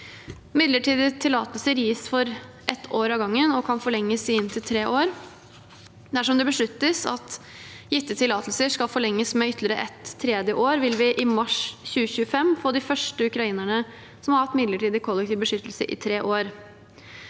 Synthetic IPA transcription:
mɪd̪ləʈʰiːd̪ət̪ʰɪlɑːt̪əlsəɾjiːsfɔɾ | ʔɛt̪ʰːoːɾɑʋɡɑŋːənɔkʰɑnfɔɭɛŋːəsɪɪnt̪ʰɪlt̪ʰɾeːʔoːɾ | d̪æʂɔmd̪ɛbəʂɭʉt̪ːəsɑ̰t̪ | jɪt̪ːət̪ʰɪlɑːt̪əlsəʂkɑlfɔɭɛŋːəsmɛʏt̪ʰːlɪəɾəʔɛt̪ʰːɾeːd̪jəʔoːɾʋɪlʋɪʔɪmɑʂçʉːəçʉːəfɛmːfoːd̪ɪfœʂʈəʉkɾɑiːnæɳə | sɔmhɑɾɑt̪mɪd̪ləʈiːd̪əkʰɔlːɛk̚t̪ɪːʋbəʂʏt̪ːlsəʔɪ̰t̪ʰɾeːʔoːɾ

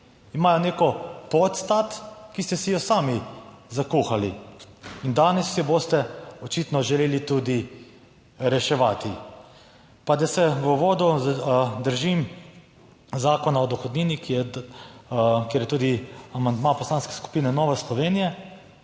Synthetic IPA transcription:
imaːjɔneːkɔpɔt̪st̪at̪kist̪ɛsijɔsaːmizakuːxali | ind̪aːnɛsːjɔboːst̪ɛɔt͡ʃit̪nɔʒɛleːlit̪uːd̪i | ɾɛʃɛʋaːt̪i | pad̪asɛʋəʋoːd̪u | d̪əɾʒim | zaːkɔnaɔd̪ɔxɔd̪niːnikijɛ | kjeːɾjɛt̪uːd̪iamand̪mapɔslaːnskɛ̥sku̥piːnɛnɔːʋɛslɔʋeːnijɛ

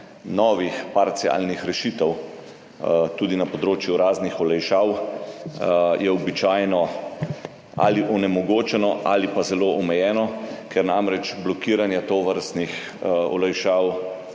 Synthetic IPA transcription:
nɔːʋixpaɾt̪sia̰lnixɾɛʃiːt̪ɛw | t̪uːd̪inapɔd̪ɾoːt͡ʃjuɾaːznixɔlɛjʃaːw | jɛɔbit͡ʃaːjnɔ | a̰liʔɔnɛmɔɡoːt͡ʃɛnɔʔa̰lipazɛloːʔɔmɛjɛːnɔkɛɾnamɾɛt͡ʃblɔkiːɾanjɛt̪oːʋəɾst̪nix | ɔ̰lɛjʃaːw

